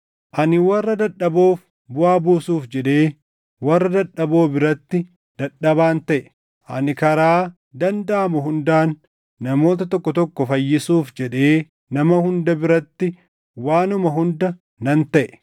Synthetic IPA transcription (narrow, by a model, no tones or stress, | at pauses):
ʔɐnɪwɐrːɐd̪ɐᶑɐbo̞ːf | bʊʔaːbuːsuːfd͡ʒɛᶑeː | wɐrːɐd̪ɐᶑɐbo̞ːbɪɾɐt̪ːɪ | d̪̥ɐᶑɐbaːnt̪ɐʔɛ̥ | ʔɐnɪkɐɾaː | d̪ɐnd̪ɐʔɐmʊɦʊnd̪aːnː | ɐmo̞ːt̪ɐt̪ɔkːɔt̪ɔkːɔfɐjːɪsuːfd͡ʒɛᶑe̞ː | nɐmɐhʊnd̪ɐbɪɾɐt̪ːɪ | waːnʊmɐɦʊnd̪ɐ | nɐnt̪ɐʔɛ̥